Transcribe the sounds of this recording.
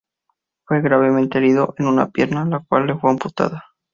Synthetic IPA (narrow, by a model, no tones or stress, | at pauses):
fwe̞ɣɾaβ̞e̞ment̪eeɾiðo̞ʔe̞nuna̰pje̞ɾnalakwalːe̞fweamput̪a̰ða